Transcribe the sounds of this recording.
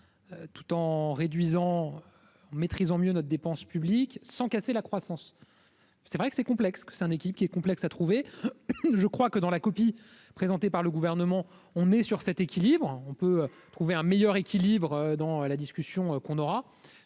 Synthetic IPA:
øt̪u̥t̪ɑ̃ʁed̪ɥizɑ̃ø | ɑ̃met̪χizɑ̃mjønɔt̪χd̪epɑ̃spybliksɑ̃kaselakχwasɑ̃s | sɛvʁɛkə̥sɛkɔ̃plɛkskə̥sɛt̪ɛ̃nekʲilibkiɛkɔ̃plɛksat̪χuve | ʒəkχwakəd̪ɑ̃lakɔpi | pχezɑ̃t̪epaʁləɡuvɛʁnəmɑ̃ | ɔ̃nɛsyʁsɛt̪ekʲilibʁɔ̃pøøt̪χuveɛ̃mejœʁekʲilibʁød̪ɑ̃ølad̪iskʲysjɔ̃økɔ̃nɔʁa

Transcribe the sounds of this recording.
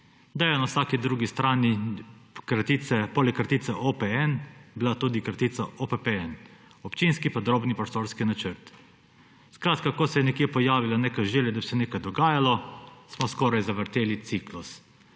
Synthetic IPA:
d̪ajɛnawsaːkid̪ɾuːɡist̪ɾaːni | kɾat̪isɛpolɛkːɾat̪it̪sɛʔopɛɛnbilat̪uːd̪ikɾat̪iːt̪saʔopɛpeɛn | ɔpt͡ʃinskipɐd̪ɾoːbnipɾɔst̪oɾskinat͡ʃəɾt̪ | skɾaːt̪̚kakɔsɛjɛnɛkjepɔjaːʋilaneːkajʒeljɛd̪abisɛneːkajd̪ɔɡaːjalɔsmɔskɔːɾajzaʋəɾt̪eːlit̪siklus

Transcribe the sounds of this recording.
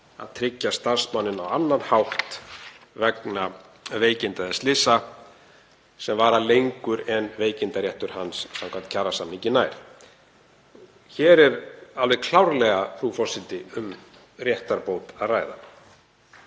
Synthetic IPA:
a̰ðt̪ʰɾɪcːast̪aɾ̥smanːɪnawanːanhawht̪ | vɛkna | veːjcɪnt̪aðɪst̪lɪsa | sɛmvaːɾalejŋkʏɾɛnveːjcɪnt̪aɾjɛht̪ʏɾ̥hansːamŋkʰant̪cʰaːrasamniɲcɪnaːjɾ̥ | çɛːɾɛɾalvɛðkʰl̥awɾlɛɣafɾufɔ̥sɪlt̪ɪʏm | rjɛht̪aɾpoːwt̪aðraːjða

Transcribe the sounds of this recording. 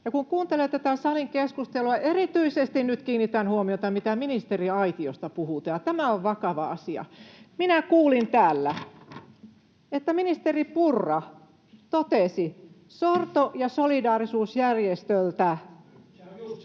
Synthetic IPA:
jɑkuŋkuːnt̪elet̪æt̪æsɑliŋkeskust̪eluɑʔerit̪yisest̪innyt̪kiːnːit̪ænhuomiot̪ɑmit̪æminist̪eriɑit̪iost̪ɑpuhut̪ɑjɑt̪æmæoʋʋɑkɑʋɑɑsiɑ̰minækuːlint̪æːlːæ | et̪ːæminist̪eripurːɑ | t̪ot̪esi | sort̪ojɑsolidɑːrisuːsjærjest̪ølt̪æ

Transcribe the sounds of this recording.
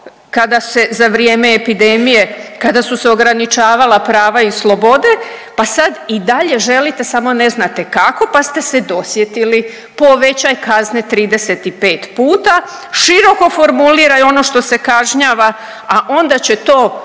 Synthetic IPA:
kad̪ase̞zaʋɾijeːmeːpid̪emije̞kad̪asuseo̞ɡɾanit͡ʃaːʋalapɾaːʋaislˠo̞bo̞d̪e̞pasad̪id̪aʎe̞ʒe̞lit̪e̞samo̞ne̞znat̪e̞kako̞past̪e̞se̞d̪o̞sje̞t̪ili | po̞ʋe̞t͡ɕajkaznet̪ɾiːd̪e̞set̪ipe̞ːt̪puːt̪a | ʃiɾo̞ko̞fo̞ɾmuliɾajo̞no̞ʃt̪o̞sekaʒɲaʋa | aʔo̞nd̪at͡ɕe̞t̪o̞ː

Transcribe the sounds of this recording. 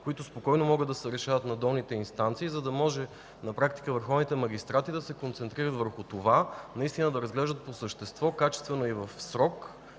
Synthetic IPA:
koit̪ʊspokɔjnomɔɡəd̪ːɐsɛɾɛʃavət̪nɐd̪ɔlˠnit̪ɛinst̪ant̪siːzɐd̪ɐmɔʒɛ | nɐpɾakt̪i̥kəvəɾxɔvnit̪ɛmɐɡ̟ʲist̪ɾat̪id̪ɐsɛkont̪sɛnt̪ɾiɾət̪vəɾxʊt̪ovanɐist̪inəd̪ɐɾɐzɡlɛʒd̪ət̪̚posəʃt̪ɛst̪vɔkat͡ʃɛ̥st̪vɛnoivɐfsɾɔk

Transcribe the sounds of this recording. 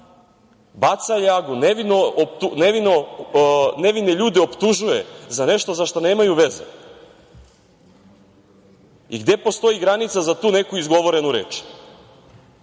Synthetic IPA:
bat̪sajaɡuneʋinopt̪uneʋino | neʋineʎuːd̪ɛopt̪uʒuje̞zane̞ʃt̪ozaʃt̪one̞ːmajuʋezḛ | iɡd̪e̞po̞st̪o̞jiɡɾanit̪sazat̪uːnekuizɡo̞ʋo̞ɾe̞nuɾeːt͡ʃ

